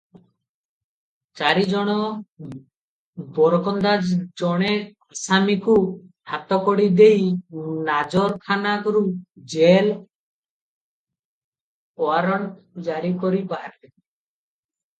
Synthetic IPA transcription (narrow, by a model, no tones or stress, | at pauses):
t͡ʃaɾid͡ʒɔɽ̃ɔ | bɔɾkɔnd̪ad͡ʒd͡ʒɔɽ̃e | asamiku | hat̪ɔkɔɽid̪ejnad͡ʒɔɾkʰanakɔɾud͡ʒel | ɔaɾɔɳd͡ʒaɾikɔɾipaɾe